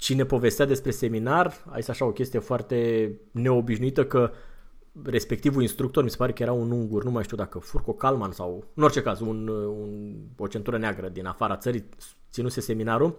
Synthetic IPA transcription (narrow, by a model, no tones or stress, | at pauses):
t͡ʃine̞po̞ve̞st̪ead̪e̞spɾe̞se̞minara̰jesʲaʃao̞kʲe̞st̪ije̞foart̪e̞ne̞o̞biʃnuit̪əkə | re̞spe̞k̚t̪ivuinst̪ɾukt̪o̞rmise̞paɾe̞kəje̞ɾaunuŋɡurnumajʃt̪iud̪akəfurko̞kalmansawɨno̞rt͡ʃe̞kazununo̞t͡ʃe̞nt̪uɾəneaɡɾəd̪inafaɾat̪səɾi | t̪sinuse̞se̞minaɾu